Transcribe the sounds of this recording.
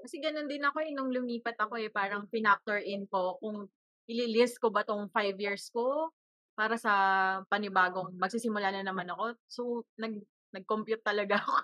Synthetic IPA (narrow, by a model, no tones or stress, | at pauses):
kɐsɛɡɐnond̪ɪnɐko̞ɛnʊŋlʊmiːpɐt̪ɐko̞ʔɛpaːɾɐŋpɪnap̚t̪ɛɹʔɪnko̞kʊŋ | ʔɪlilɪst̪̚ko̞bat̪oŋfajvjiɹsko̞ | paːɾɐsɐpɐnɪbaːɡo̞ŋmɐɡ̚sisɪmʊlaːnɐnɐmanɐko̞sonɐɡ̚ | nɐɡ̚kompjut̪ːɐlɐɡa